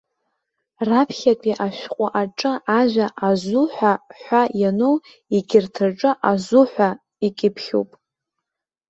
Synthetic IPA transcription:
rapʰχʲakʲʷʼiʔaʃᶣqʷʼaʔaʈ͡ʂʼɨaʒʷᶣaʔazuħʷaħʷajanow | iɡʲɪrtʰɨrʈ͡ʂʼɨʔazuħʷa | ikʲʼɪpʰχʲo̰pʼ

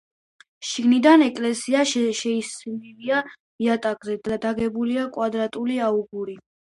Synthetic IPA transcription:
ʃiɡnid̪anɛkʼlɛsiaʃʃɛisnilia | miat̪ʼaɡʼzɛd̪ad̪aɡɛbuliakʼwad̪ɾat̪ʼuliauɡuɾi

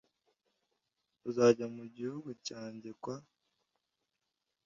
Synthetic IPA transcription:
uzaːɟamuɟihuɡucaːɲɟekwa

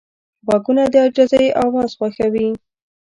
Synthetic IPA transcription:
ɣɑkunad̪əad͡ʒazajeʔɑwɑzxwaxawi

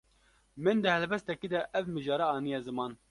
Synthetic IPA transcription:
mɨnd̪ɨhɛlbɛst̪ɛkiːd̪ɛʔɛvmɨʒɑːɾɑɑːnijɑːzɨmɑːn

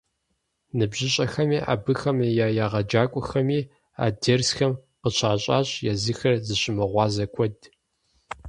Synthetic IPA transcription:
nɨbʒɪɕʼɐxɐmiːʔa̰ːbɨxɐmejaːjaːʁɐd͡ʒaːkʷʼɔxɐmiː | a̰ːdɐrsxɐm | qəɕʰaːɕʼaːɕʼjazɨxɐrzɨɕʼɪmɨʁʷɑːzɐkʷʰʼɔd

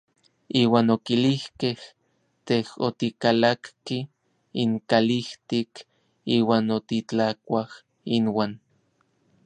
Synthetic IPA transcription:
iːwaːnokilihkeh | t̪eho̰t̪ikalakki | iŋkaliht̪ik | iːwaːnot̪it͡ɬakʷah | inwaːn

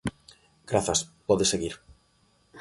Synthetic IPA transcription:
ɡ̥ɾaθɐspɔðeseɣiɾ

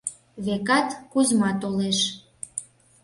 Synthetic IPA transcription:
βekɑt̪kuzmɑt̪oleʃ

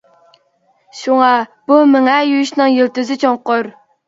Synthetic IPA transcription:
ʃuŋɑb̥umɪŋɛjyʃnɪŋjilt̪yzɪt͡ʃʰoŋqʊɾ

